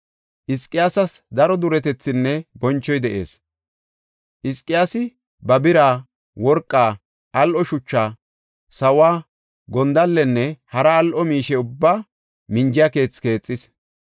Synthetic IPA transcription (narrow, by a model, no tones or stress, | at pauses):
ʔɪskʼːɪjaːsɐsd̪ɐɾɔd̪ʊɾɛt̪ɛt͡sːɪnːɛbɔnt͡ʃːɔjd̪ɛʔe̞̰ːs | ʔɪskʼːɪjaːsɪ | bɐbɪɾaː | wɔɾkʼːaː | ʔɐlʔɔʃʊt͡ʃːaː | sɐwaː | ɡɔnd̪ɐlːɛnːɛhɐɾɐːlʔɔmiːʃɛʊbːaː | mɪnd͡ʒɪjɐke̞ːt͡ske̞ːt͡sʼːɪs